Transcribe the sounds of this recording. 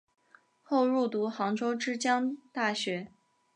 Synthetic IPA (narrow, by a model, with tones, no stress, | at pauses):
xo˥˧ʊɻu˥˩t̪u˧˥xɑ˧˥ŋʈ͡ʂo˥ʊʈ͡ʂɻ̩˥t͡ɕjɑ˥ŋt̪a˥˩ɕɥɛ˧˥